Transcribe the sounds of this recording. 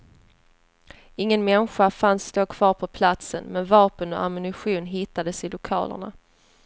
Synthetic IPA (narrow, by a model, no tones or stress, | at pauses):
ɪŋːənmɛnɧafansːt̪oːkʰv̥ɑːɾpʰɔpʰlat̪sənmɛnvɑːpənɔ̰a̰mʏnɪɧuːnɦɪt̪ːad̪əsɪlʊkʰɑ̰ːlə̰ɳa̰